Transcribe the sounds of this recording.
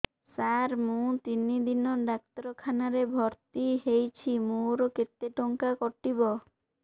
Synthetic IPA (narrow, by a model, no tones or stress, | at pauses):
saɾmũt̪inid̪inɔɖak̚t̪ɔɾɔkʰanaɾebʱɔɾt̪iɦejt͡ʃʰimuɾɔket̪ːeʈɔŋkakɔʈibɔ